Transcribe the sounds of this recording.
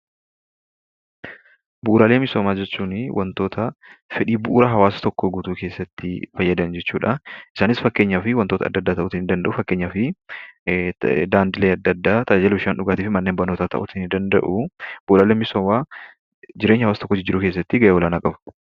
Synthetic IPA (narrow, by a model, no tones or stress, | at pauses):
buʔːɾaːleːmɪsoːmaːd͡ʒɛt͡ʃːuːnwʔɐnt̪o̞ːt̪ʰɐfɛᶑiːbʊʔɾɐɦɐwaːsɐ̥t̪ɔkːoɡuːt̪uːke̞ːsːɐt̪ːɪfɐjːɐd̪ɐnd͡ʒɛt͡ʃːuːᶑɐʔɪsaːnɪsfɐkːeːɲːaːfɪwɐnt̪oːt̪ɐ̰ːd̪ːɐd̪ːaːt̪ɐʔʊt̪ɪnɪnd̪ɐnd̪ɐʔʊfɐkːeːɲːaːfɪ | d̪aːnd̪ɪleːɐd̪ːɐd̪ːaːt̪ʰʼɐd͡ʒad͡ʒɛlɪʃaːnᶑʊɡaːt̪iːfɪmɐnːe̞ːmbɐnːoːt̪aːt̪ʰɐ̰ʔʊ̰t̪ɪnɪnd̪ɐnd̪ɐ̰ʔʊb̥ʊʔɾaːleːmɪsoːmaː | d͡ʒɪɾeːɲːɐwaːsɐt̪ɔ̥kːɔd͡ʒɪd͡ʒɪɾʊkeːs̬ːɐt̪ːɪɡɐʔeːwɔlaːnɐkʼɐb̥